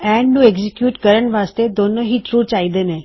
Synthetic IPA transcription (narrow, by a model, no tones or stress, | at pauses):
ɛ̃ɳɖnũeɡzikjuːʈkəɾəɳʋast̪ed̪onoɦit͡ʃɾut͡ʃaid̪ene